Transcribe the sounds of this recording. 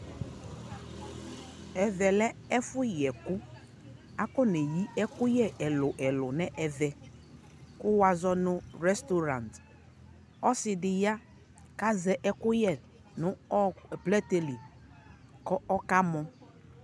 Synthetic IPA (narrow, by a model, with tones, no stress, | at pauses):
ɛ˨vɛ˨lɛ˦ɛ˦fʊ˦jɛ˨kʊ˦ | a˦kɔ˦nɛ˨ji˦ɛ˦kʊ˦jɛ˦ʔɛ˨lʊ˨ʔɛ˨lʊ˨nɛ̃˦ʔɛ˨vɛ˨ | kʊ˦wa˨zɔ˦nʊ̃˦ɾɛ˦st̪o˦ɾa˨nt | ɔ˦sɪ˨dɪ˨ja˦ | ka˦zɛ˨ʔɛ˦kʊ˦jɛ˦˨ | nʊ̃˦˨plɛ˦t̪e˨li˨ | kɔ˦ɔ˦ka˦mɔ̃˦